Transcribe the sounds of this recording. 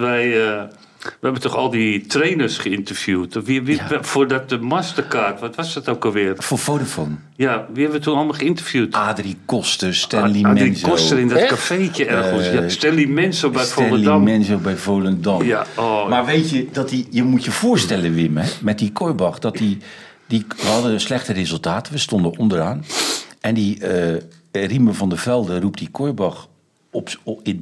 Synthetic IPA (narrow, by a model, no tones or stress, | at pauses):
ʋɛjə | ʋəɛbəntɔxɔlˠditreːnərsχəɪntərfjuːtʋiʋifʊːrdɔt̚dəmastərkaːrtʋɔtʋɔsdɔtowkəʋɪərfofotofon | jaʋihɛbʋətunɔlˠmalˠχəɪntərfjuːtadrikɔstəstɛldiariskɔstərɪndɔtkafeːkəɛrɣəlˠsastɛlˠdimɛnsobɛjfolˠədɔmmɛnsobɛjfowlˠəndɔmjamarʋeːtjədɔtijəmutjəv̥ʊːəɹstɛlˠəʋɪməɛmɛt̚dikʰojbɑxdɔtdi | diʋəhɑdəslɛxtərezəlˠtaːtəʋəstondəʔondəraːnɛndiə | riməvɔndəvɛlˠdərup̚tdikʰojbɑx | pɪ